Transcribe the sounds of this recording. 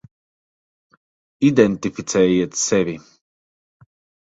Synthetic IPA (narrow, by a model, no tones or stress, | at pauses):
id̪ɛnt̪ifit̪sɛːjit̪sɛvi